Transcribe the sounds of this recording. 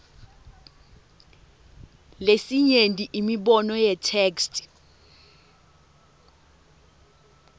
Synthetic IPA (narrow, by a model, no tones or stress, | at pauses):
lesiɲentʼiʔimiɓɔnɔjɛtʰeːkstʼ